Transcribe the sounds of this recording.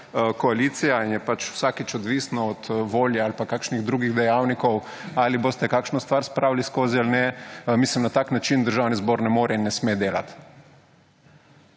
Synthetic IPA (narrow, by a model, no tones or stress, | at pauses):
kɔaliːt̪sijainjɛpat͡ʃw̥saːkit͡ʃɔd̪ʋisnɔɔt̪ʋoːljɛalpakaːkʃniɣd̪ɾuɡiɣd̪ɛjawnikɔw | aːliboːst̪ɛkaːkʃnɔst̪ʋaɾspɾaːwliskoːzialnɛmislimnat̪aknat͡ʃind̪əɾʒawnizboɾnɛmoːɾɛinːɛsmeːd̪eːla̰t̪